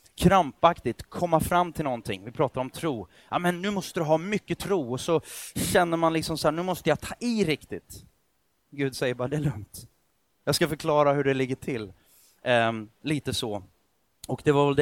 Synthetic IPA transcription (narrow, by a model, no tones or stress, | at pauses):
kʰɾampakt̪ɪt̪kʰɔmːafɾamːt̪ʰɪlnɔnt̪ʰɪ̰ŋːvɪpʰɾɑːt̪aɾɔmt̪ʰɾuː | amɛnːʉ̟ːmɔst̪əd̪ɵɦɑːmʏkːət̪ʰɾuːɔsɔɕɛnːəɾmanlɪksɔmsahæːɳʉːmɔst̪əjɑt̪ʰɑːʔɪɾɪkt̪ɪt̪ | ɡʉ̟ːd̪sɛjəbɑːɾad̪ɛːlɵŋt̪ | jɑːɡskafœɾkʰlɑːɾaɦɵɖɛlɪɡːəʈʰɪl | liːt̪əsɔ | ɔkd̪ɛvaɾvɛld̪